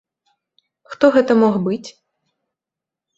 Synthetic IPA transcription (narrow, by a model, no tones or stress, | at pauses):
xt̪ɔɣɛt̪ɐmɔɣbɨt͡sʲ